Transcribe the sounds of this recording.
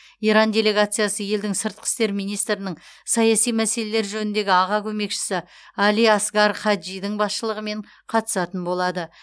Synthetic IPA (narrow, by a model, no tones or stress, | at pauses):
iɾɑnd̪ʲe̞le̞ɡat̪sɨjasəje̞ld̪ɪŋsəɾt̪̚qʰə̥st̪e̞ɾmijnijst̪ɾɪnəɴ | sɑjasijmæse̞le̞leɾʒɵnɪnd̪e̞ɡʲɪɑʁɑkʲʰɵme̞kʃɪ̥sɪ | ɑlijɑsɡɑɾχɑd̪ʒijd̪ɪɴbɑsʃəlˠəʁəme̞ɴ | qʰɑt̪ə̥sɑt̪ənbo̞lˠɑd̪ə